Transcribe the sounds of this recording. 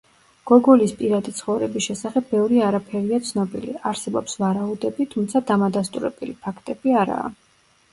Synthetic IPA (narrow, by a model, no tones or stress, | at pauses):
ɡ̥ɔɡɔlispʼiɾad̪it̪sʰχɔvɾɛbisʃɛsaχɛbːɛvɾiaɾapʰɛɾiat̪sʰnɔbḭlḭaɾsɛbɔpsvaɾaud̪ɛbit̪ʰumt̪sʰad̪amad̪ast̪ʼṵɾɛ̰b̥ɛlipʰakʰt̪ʼɛbiaɾa̰ː